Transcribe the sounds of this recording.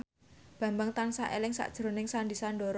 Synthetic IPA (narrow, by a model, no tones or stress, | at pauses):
b̥ä̤mbaŋt̪ansa̰ʔelɪŋsa̰ʔd̥ʒ̥ɾo̤nɪŋsandisandɔɾ